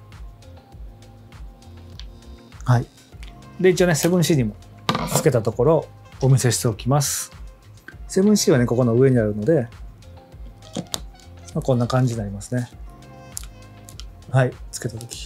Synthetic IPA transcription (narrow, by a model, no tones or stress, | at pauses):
hai | d̪e̞it͡ɕio̞ne̞se̞bɯ̟̃ɰ̃ɕiɲ̟imo̞t͡sɨ̥ke̞t̪at̪o̞ko̞ɾo̞ː | mʲise̞ɕi̥t̪e̞okʲimasɨ̥ | se̞bɯ̟̃ɰ̃ɕiːβane̞ko̞ko̞no̞ɯ̟e̞ɲ̟iaɾɯ̟no̞d̪e̞ | makõ̞nːakãɲ̟d͡ʑiɲinaɾʲimasɨne̞ | hait͡sɨ̥ke̞t̪at̪o̞kʲi̥